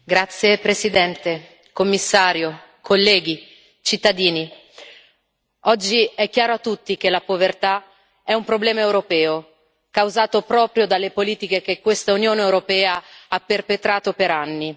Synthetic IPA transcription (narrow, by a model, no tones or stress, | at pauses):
ɡɾat̪sːjepɾesid̪ɛnt̪e | komːisːaːɾjo | kʰolːɛːɡi | t͡ʃit̪ːad̪iːni | ɔd͡ʒːiɛkːjaːɾoat̪ːut̪ːik̟elapovert̪a | ɛumpɾoblɛːmaewɾopɛːo | kawzaːt̪opɾɔːpɾjod̪alːepoliːt̪ik̟ekekːwest̪aunjoːneewɾopɛːaapːerpet̪ɾaːt̪opeɾanːi